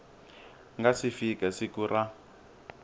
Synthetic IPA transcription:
ŋɡasifikasikura

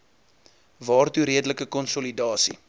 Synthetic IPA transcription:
vɑːrtuɾiədələkəkɔnsɔlidɑːsḭ

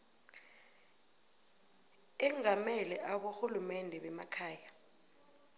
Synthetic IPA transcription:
ɛŋamɛlɛʔaɓoxulumɛndʱɛɓɛmakʰaːja

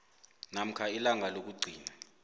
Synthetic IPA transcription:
nam̩kʰailaŋʱalok̬uɡ͡ǀʱiːna

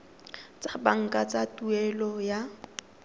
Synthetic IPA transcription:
t͡sʼabaŋ̩kʼat͡sʼatʼuɛlɔja

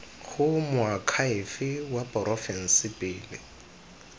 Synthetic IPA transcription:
ɣʊmʊakʰaɪfɪwapʼɔrʔɔfɛn̩sɪpʼɪːlɪ̰

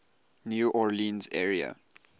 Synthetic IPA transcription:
njuʔɔɹlĩnzɛɹiə̰

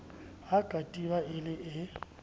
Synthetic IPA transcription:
ɦaɡ̥ʼʱatʼiβaɪlɪʔɪ

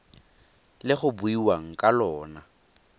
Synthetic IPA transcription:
lɪχʊbʊiwaŋ̩kʼalɔːna

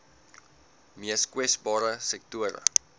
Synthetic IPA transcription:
miəskwɛsbɑːɾəsɛk̚tuəɾə̰

